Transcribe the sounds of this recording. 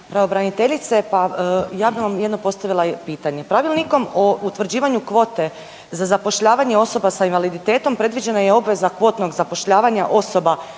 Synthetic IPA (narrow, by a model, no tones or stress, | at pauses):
pɾaobɾanit̪e̞ʎit̪se̞pajaːbiʋamjed̪nopo̞st̪aʋilˠapiːt̪aɲe̞pɾaʋilˠniko̞mout̪ʋr̩d͡ʑiːʋaɲukʋo̞ːt̪e̞ | zazapo̞ʃʎaːʋaɲe̞o̞so̞basainʋalid̪it̪e̞ːt̪o̞mpɾe̞d̪ʋid͡ʑe̞najeo̞bʋe̞zakʋo̞ːt̪no̞ɡzapo̞ʃʎaːʋaɲaʔo̞so̞ba